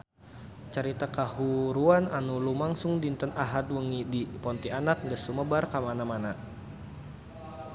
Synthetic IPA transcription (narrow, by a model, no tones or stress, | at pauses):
t͡ʃaɾit̪akahuɾuananulumaŋsʊŋdint̪ənaɦat̪̚wəŋidipɔnt̪ianak̚dəsuməbarkamanamana